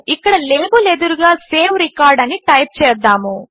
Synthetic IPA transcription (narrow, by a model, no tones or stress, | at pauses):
ikːɐɽɐleːbuled̪uɾuɡɐseːʋɾikaːɾɖɐnːiʈɐjp̚t͡ʃeːɾd̪aːmu